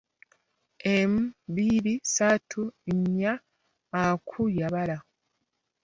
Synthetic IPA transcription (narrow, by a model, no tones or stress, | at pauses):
emβiɾisatʰuɲːaː | kʰujaβala